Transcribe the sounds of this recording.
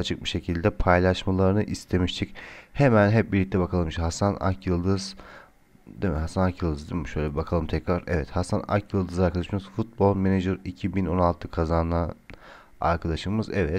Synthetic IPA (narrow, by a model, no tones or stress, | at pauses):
at͡ʃʰɯk̚biʃe̞cʰilʲd̪ɛpʰajlˠaʃmalˠaɾɯnɯʔist̪ʰe̞miʃt̪ʰichemænɦɛp̚biɾlʲic̚t̪ʰɛbakʰalˠɯmʃhasana̰kjɯlˠd̪ɯz̥ | d̪emɛɦasanakjɯlˠd̪ɯzd̪emɛʃø̞jlʲeibakʰalˠɯmt̪ʰɛcɾaɾɛ̰vɛt̪hasana̰kjɯlˠd̪ɯzaɾkʰad̪aʃɯmɯzfut̪̚bolˠmened͡ʒɯɾicʰibino̞nalˠt̪ʰɯkʰazanlˠa | a̰ɾkʰad̪aʃɯmɯzɛvɛt̪